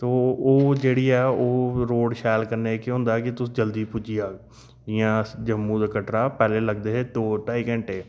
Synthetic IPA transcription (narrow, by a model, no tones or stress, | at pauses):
t̪oːoːd͡ʒeːɽiːɛːoːɾoːʃaːlkəɾneːkeɦʊ̃ːnd̪aːkɪt̪ʊsĩːd͡ʒəld̪iːpʊd͡ʒiaː | ɪjãːd͡ʒəmːũːd̪aːkəʈɾaːpɛːleːləɡd̪eːɦeːd̪oːʈaːiːkə̃ɳʈeː